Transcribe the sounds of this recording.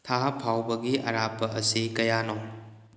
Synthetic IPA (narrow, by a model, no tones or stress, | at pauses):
tʰaɦɐpʰawbɐɡiʔɐ̰ɾapːɐʔɐsikɐjanɔ